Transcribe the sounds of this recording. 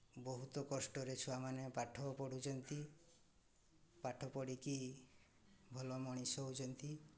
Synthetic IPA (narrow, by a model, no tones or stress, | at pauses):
bɔɦut̪ɔkɔsʈɔɾet͡ʃʰuamanepaʈʰɔpɔɽud͡ʒɔnt̪i | paʈʰɔpɔɽiki | bʱɔlɔmɔɽ̃isɔwd͡ʒɔnt̪i